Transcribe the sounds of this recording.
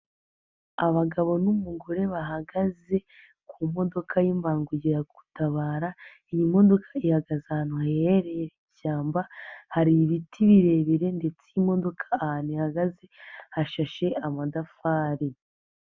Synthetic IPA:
aβaɡaβo̞numuɡoɾe̞βaɦaɡaze̞ | kumo̞do̞kʰajimbaːŋɡuɟiɾaɡu̥taβaːɾa | ijimo̞do̞kʰḁihaɡazahnaeɾeɾicaːmbahaɾiβitʰiβiɾe̞βeɾe̞nde̞t͡se̥jimo̞do̞kʰḁhanihaɡaze̞haʃaʃe̞amadafaːɾi

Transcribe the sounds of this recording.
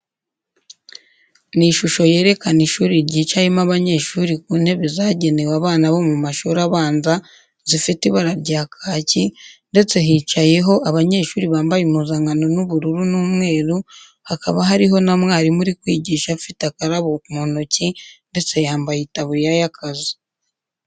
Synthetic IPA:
niʃuʃo̞je̞ːɾe̞kaniʃuːɾiɾɟiːt͡ʃajemaβaɲe̞ːʃuɾikuːnhe̞βezaːɟe̞ne̞waβaːnaβo̞mumaʃuːɾaβaːnza | zifiteβaɾaɾɟaːkʰaːcinde̞t͡se̞ɦiːt͡ʃaje̞ɦo̞ʔaβaɲe̞ːʃuːɾiβaːmbajumuzaŋɡano̞nuβuɾuɾunuːmŋe̞ːɾu | hakaβaɦaɾiɦo̞namŋaːɾimuɾikwiːɟiːʃafitakaɾaβokumonucinde̞t͡se̞jaːmbajitaβujajakʰazi̥

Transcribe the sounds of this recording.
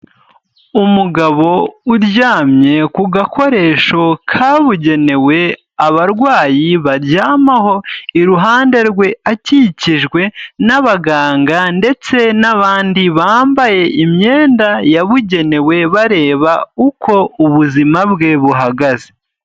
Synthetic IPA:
umuɡaβo̞uɾɟaːmɲe̞kuɡakʰo̞ɾe̞ːʃo̞kʰaβuɟe̞ne̞we̞ | aβaɾɡwaːjiβaɾɟaːmaho̞iɾuɦaːnde̞ɾɡwe̞aciciʒɡwe̞naβaɡaːŋɡande̞t͡se̞naβaːndiβaːmbaje̞ʔimɲe̞ːndajaβuɟe̞ne̞we̞βaɾe̞ːβaukʰo̞uβuzimabɡe̞βuɦaɡaze

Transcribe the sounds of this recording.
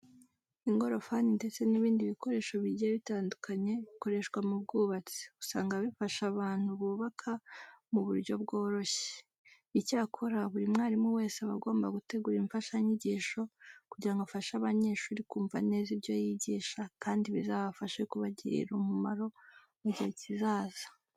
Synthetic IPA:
iŋɡo̞ɾo̞faninde̞t͡se̞niβiːndiβiko̞ɾe̞ːʃo̞βiɟiβitaːndukaɲe̞βiko̞ɾe̞ʃkwamub̚ɡuːβat͡se̥usa̰ːŋɡaβifaʃaβaːn̥huβuːβakʰamuβuɾɟo̞b̚ɡo̞ːɾo̞çe̥ | icaːkʰo̞ɾaβuɾimŋaːɾimuwe̞ːseaβa̰ɡo̞ːmba̰ɡute̞ɡuːɾimfaʃaɲiɟiːʃo̞kuɟiɾaŋɡoafaʃaβaɲe̞ːʃuːɾikuːɱva̰ne̞ziβjo̞jiɟiːʃakaːndiβizaβafaʃekuβaɟiɾḭɾumumaɾo̞ | uɟiecizaːza

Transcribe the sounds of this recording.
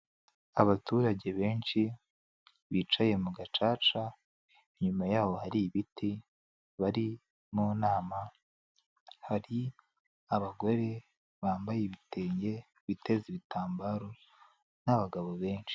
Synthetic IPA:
aβatuːɾaɟe̞βe̞ːnʃi | βiːt͡ʃaje̞muɡat͡ʃaːt͡ʃa | iɲumajaːβo̞haɾiβitʰi | βaɾi | munaːma | haɾi | aβaɡo̞ɾe̞ | βaːmbajeβite̞ːɲɟe̞ | βitʰe̞ziβitʰaːmbaɾo̞ | naβaɡaβo̞βe̞ːnʃi̥

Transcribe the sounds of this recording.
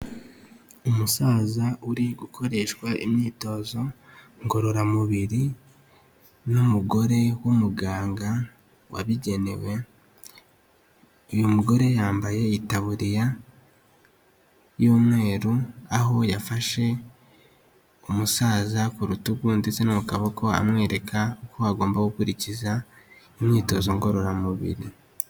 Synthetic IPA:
umusaːzauɾiɡukʰo̞ɾe̞ʃkwaḭmɲiːto̞ːzo̞ | ŋɡo̞ɾo̞ɾamuβiɾi | numuɡo̞ɾe̞wumuɡaːŋɡa | wa̰βiɟe̞ne̞̰we̞ | ujumuɡo̞ɾe̞jaːmbaje̞itaβuɾija | jomŋe̞ːɾuaho̞jafaʃe̞ | omusaːzakuɾutuɡuːndet͡senumukaβoko̞a̰mŋe̞ːɾe̞kʰakʰoaɡo̞ːmbaɡukuɾiciza | imɲiːto̞zo̞ŋɡo̞ɾo̞ɾamuβḭɾi

